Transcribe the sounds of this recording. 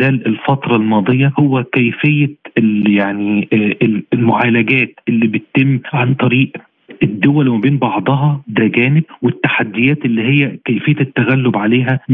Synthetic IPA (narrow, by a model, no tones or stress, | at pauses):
læːlelfɑt̪ɾˤɑlmɑːd̪ˤejːɑhowːækæjfejːæjaʕni | lmʊʕaːlæɡæːt̪ʔelːibɪtt̪ːemːʕant̪ˤɑɾiːʔ | ed̪ːowælwmæbeːnbɑʕd̪ˤɑɦɑd̪æɡæːnɪɡ̚wet̪ːaħad̪ːɪjæːt̪ʔelːiːɦejːækæjfejːæt̪ːæɣælːobʕaleːɦæ